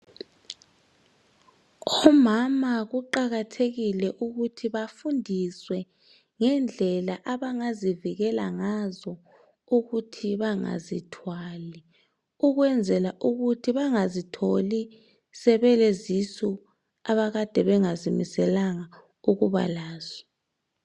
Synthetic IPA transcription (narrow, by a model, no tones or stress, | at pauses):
ɔmamaɣuǃaɣatʰeɣilɛʔuɣutʰiβafundʱiswɛ | ŋɛnd͡ɮʱɛlaʔaβaŋaziviɣɛlaŋazɔ | uɣutʰiβaŋa̰zitʰwali | uɣwɛnd͡zʱɛlaʔuɣutʰiβaŋazitʰoli | sɛβɛlɛzisu | aβaɣad̥ʱɛβɛŋazimisɛlaŋa | uɣuβa̰laːz̥ɔ̥